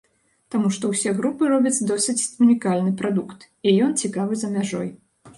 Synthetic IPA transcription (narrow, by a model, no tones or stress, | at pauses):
t̪amuʂt̪ɔwsʲɛɣɾupɨɾɔbʲit̪t͡s̪ʲd̪ɔsʲɨt͡sʲunʲikalʲnɨpɾad̪ukt̪ | ijɔnt͡sʲikavɨzɐmʲaʐɔj